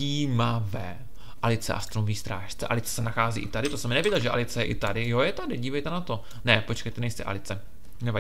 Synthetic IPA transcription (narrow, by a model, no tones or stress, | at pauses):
iːmavɛː | ʔalɪt͡sɛ̰ʔa̰st̪ɾomoviːst̪ɾaːʃt͡sɛ̰ʔa̰lɪt͡sɛ̥sɛnaxaːzḭːʔɪt̪adɪt̪osɛmɪnɛvɪɟɛlʒɛʔa̰lɪt͡sɛjɛʔɪt̪adɪjojɛt̪adɪɟiːvɛjt̪ɛnat̪o̞ | nɛpo̞t͡ʃkɛjt̪ɛnɛjst̪ɛʔa̰lɪt͡sɛ | nɛva